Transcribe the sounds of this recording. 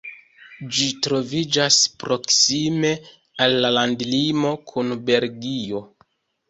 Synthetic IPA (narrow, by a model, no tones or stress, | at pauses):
d͡ʒitɾo̞vid͡ʒaspɾo̞ksime̞ | alːalandlimo̞kʰunbe̞lɡio̞